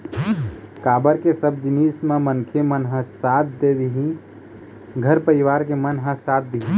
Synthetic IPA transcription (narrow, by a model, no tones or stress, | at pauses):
kaːbəɾkesəb̚d͡ʒinismẽmənkʰemənɦə̃sat̪̚ʰd̪ed̪iɦĩ | ɡʱəɾpəɾiʋaɾkemənɦə̃sat̪̚ʰd̪iɦĩ